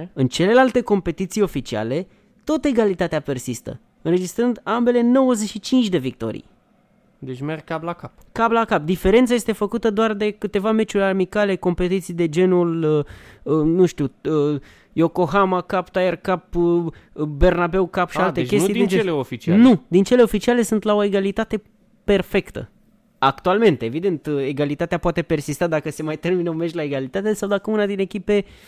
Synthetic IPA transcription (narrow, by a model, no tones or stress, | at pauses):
ɨnt͡ʃe̞le̞lalt̪e̞ko̞mpe̞t̪it̪sijo̞fit͡ʃia̰le̞ | t̪ot̪əe̞ɡalit̪at̪eape̞rsist̪ə̰ | ɨnre̞d͡ʒist̪ɾɨnd̪ambe̞le̞no̞wəzeʃit͡ʃint͡ʃʲd̪e̞vik̚t̪o̞̰ɾḭj | d̪et͡ʃʲmerɡ̚kaplakap | kablakap̚d̪ife̞ɾent̪saje̞st̪e̞fəkut̪əd̪oard̪e̞kɨt̪e̞vame̞t͡ʃuɾʲarmikale̞ko̞mpe̞t̪it̪sijd̪e̞d͡ʒe̞nuləənuʃt̪iuə | jo̞ko̞ɦamakapt̪ajerkap | be̞rnabe̞wkapʃialt̪eke̞siet͡ʃeeleofit͡ʃianud̪int͡ʃe̞le̞o̞fit͡ʃiale̞sunt̪lao̞e̞ɡalit̪at̪e̞ | pe̞rfe̞kt̪ə̰ | akt̪ualme̞nt̪e̞vid̪e̞nt̪eɡalit̪at̪eapoat̪e̞pe̞rsist̪ad̪akəse̞majt̪e̞rminəomeʃʲlae̞ɡalit̪at̪esawd̪akəunad̪ine̞kʲipe̞